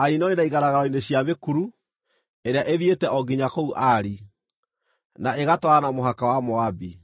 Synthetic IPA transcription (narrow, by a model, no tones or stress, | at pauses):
aɾinɔɾenaiɣaɾaɣaɾɔineɕjamekuɾu | eɾeaʔeðietɛʔɔɡiɲakouʔaɾi | naeɣatɔanamoɦakawamoabi